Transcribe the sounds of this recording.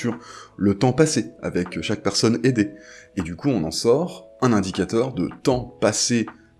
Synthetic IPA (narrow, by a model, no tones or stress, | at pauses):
yʁlət̪ɑ̃pasea̰vɛkʃak̚pɛʁsɔned̪eed̪ykuɔ̃nɑ̃sɔʁɛ̃nɛ̃d̪ikʲat̪œʁd̪ə̰t̪ɑ̃pase